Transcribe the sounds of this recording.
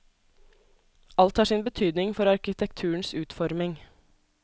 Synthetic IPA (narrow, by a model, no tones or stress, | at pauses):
ʔɑlt̪hɑːʂiːnbət̪ʰyːd̪nɪŋfɔɾɑɾkɪt̪ʰɛkt̪ʰʉːɳ̩sʉːt̪fɔɾmɪŋ